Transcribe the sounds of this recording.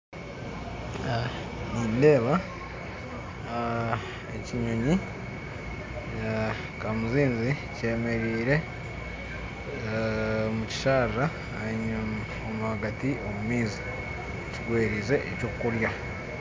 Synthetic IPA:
a | niːnde̞ːβa | eciɲo̞ɲi | kamuziːnzice̞ːme̞ɾiːɾe̞ | muci̥ʃaɾɾa | aɲ | omuhaɡatio̞mumiːzi | eciɡweːɾize̞ʔḛcokuɾja

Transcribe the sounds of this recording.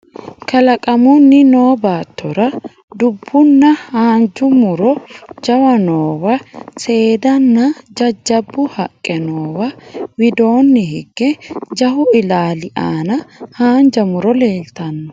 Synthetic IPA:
kʰɐlɐkʼɐmʊnːɪno̞ːbaːt̪ːɔɾɐ | d̪ʊbːʊnːɐhaːnd͡ʒʊmʊɾɔd͡ʒɐwɐnoːwɐse̞ːd̪ɐnːɐd͡ʒɐd͡ʒːɐbːʊhɐkʼːɛnoːwɐwɪd̪o̞ːnːɛɦɪɡːɛd͡ʒɐhʊɪlaːlɪʔa̰ːnɐhaːnd͡ʒɐmʊɾɔle̞ːlt̪ɐnːɔ

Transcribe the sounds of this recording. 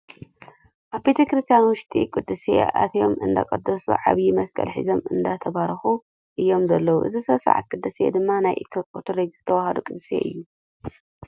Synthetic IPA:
ʔaβbet̪ʰekɨɾit̪ʰanwʊʃt̪ʰʼḭkʼɨd̪ːɨsḛa̰t̪ʰjo̞̰mʔɨnd̪a̰kʼɐd̪ːɐsṵʕa̰βjimɐskʼɐ̰lħḭzomɨnd̪at̪ʰɐβaɾɐxu | ʔɨjːo̞mzɐlːɐwuʔɨ̰zisɐβsa̰ʕa̰t̪̚kʼɨd̪ːɨsḛd̪ɨmːanajʔit̪ʰoot̪ʰuɾeɡz̥ɨt̪ʰɐwahad̪ukʼɨd̪ɨsḛʔɨ̰jːu

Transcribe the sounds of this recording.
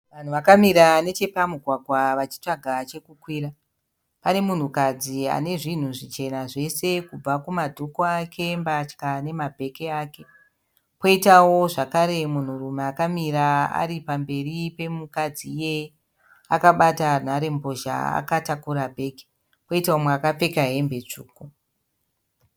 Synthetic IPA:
ʋan̤uʋakamiɾane̞t͡ʃe̞pamuɡʱwaɡʱwaʋat͡ʃi̥t͡ʂaɡʱat͡ʃe̞kukwiːra | pane̞mun̤ukad͡zia̰ne̞ʐin̤uʐit͡ʃe̞naʐe̞se̞kub͡vakumadʱokoakʰe̞mbat͡ʃkane̞mabʱe̞keaːke̞ | po̞itawo̞ʐakaɾe̞mun̤urumeakamiɾaa̰ɾipambe̞ripe̞mukad͡zije | akaɓatan̤aɾe̞mbo̞ʒa̰a̰katakuɾabʱe̞ːke̥ | po̞itaomwakap͡fe̞kaɦe̞mbet͡ʂṵːko

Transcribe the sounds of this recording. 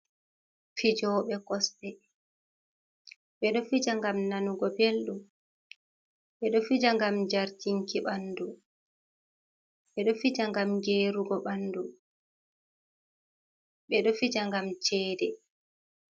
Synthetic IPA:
fid͡ʒɔːɓɛkɔstɛ | ɓɛɗɔfid͡ʒaŋɡamnanuɡɔbelɗu | ɓɛɗɔfid͡ʒaŋɡamd͡ʒaɾtiŋkiɓanːdu | ɓɛɗɔfid͡ʒaŋɡamɡeːɾuɡɔɓandu | ɓɛɗɔfid͡ʒaŋɡamt͡ʃɛːdɛ

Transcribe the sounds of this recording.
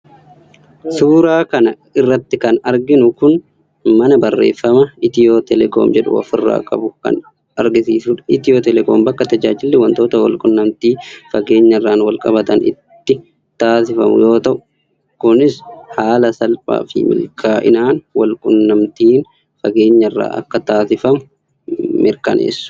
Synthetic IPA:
suːɾaːkɐnɐ | ɪrːɐt̪ːɪkɐnɐɾɡɪnʊkʊn | mɐnɐbɐrːeːfːɐmɐɪt̪ɪjo̞ːt̪ɛlɛko̰ːmd͡ʒɛᶑʊ̰ɐ̰fɪrːa̰ːkʼɐ̰bʊkɐ̰n | ɐɾɡɪsiːsuːᶑɐ̥ɪt̪ɪjoːt̪ɛlɛkoːmbɐkːɐt̪ɐd͡ʒaːd͡ʒɪlːɛwɐnt̪o̞ːt̪ɐwɐ̰lkʼʊnːɐmt̪iːfɐɡe̞ːɲːɐrːaːnwɐlkʼɐbɐt̪ɐnɪ̰t̪ːɪ | t̪aːsɪfɐmʊ̰jo̞ːt̪ɐʔʊ | kʊnɪshaːlɐsɐlpʼa̰ːfɪ̰mɪ̰lkʰaːʔɪ̰naːnwɐlkʼʊnːɐmt̪iːn | fɐɡe̞ːɲːɐrːa̰ːʔɐ̰kːɐt̪aːsɪfɐmʊ | mɪɾkɐnḛːsːʊ̥

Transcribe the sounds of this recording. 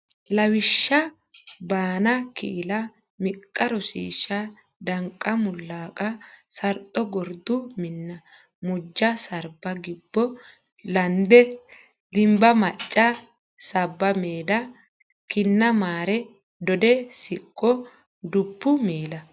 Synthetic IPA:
lɐwɪʃːɐ | baːnɐkɪ̰ɪlɐ | mɪkʼːɐɾɔsḭːʃːɐ | d̪ɐŋkʼːɐmʊlːaːkʼɐsɐɾt̪ʼːɔɡɔɾd̪ʊmɪnːɐ | mʊd͡ʒːɐsɐɾbɐɡɪbːɔ | lɐnd̪ɛ | d̪ɪmbɐmɐt͡ʃʼːɐ | sɐbːɐmeːd̪ɐ | kɪnːɐmaːɾɛ | d̪ɔd̪ɛsɪkʼːɔ | d̪ʊbːʊmeːlɐ

